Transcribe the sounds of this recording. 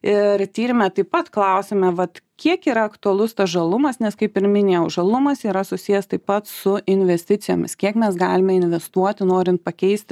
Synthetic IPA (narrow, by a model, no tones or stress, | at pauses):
ɪɾt̪ʲiːɾʲɪmʲɛt̪ɐɪpɐt̪klˠɐʊsʲeːmʲɛʋɐt̪kʲiɛkiːɾɐɐkt̪ʊɐlˠʊst̪ɐsʒɐlˠʊmɐsnʲɛskɐɪpɪɾmʲɪnʲeːjɛʊʒɐlˠʊmɐsiːɾɐsʊsʲijɛst̪ɐɪppɐt̪sʊʔɪnʲʋʲɛsʲt̪ʲɪt͡s̪ʲɪjo̰ːmʲɪ̰skʲiɛkmʲɛsɡɑːlʲɪmʲɛɪnʲʋʲɛst̪uɔt̪ʲɪnoːɾʲɪnt̪̚pɐkʲɛɪsʲt̪ʲ